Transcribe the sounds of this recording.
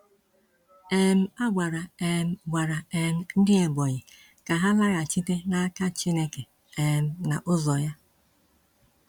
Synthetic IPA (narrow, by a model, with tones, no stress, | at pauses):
e˦m̩˦a˦ɡʷa˨ɾa˨e˨m̩˦ɡʷa˨ɾa˨e˨m̩˦n̩˦dɪ˦e˨bɔ˨ɲɪ˨ | ka˨ɦa˦la˦ɣa˨t͡ʃi˦te˦na˦ka˦t͡ʃi˦ne˦ke˨ | e˨m̩˦na˨ʔʊ˦zɔ˨ja˦